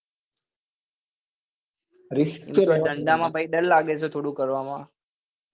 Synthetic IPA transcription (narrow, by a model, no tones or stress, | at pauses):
ɾɪsked̪əɳɖamãbəiɗəllaɡet͡ʃʰet̪ʰoːɽũkəɾʋamã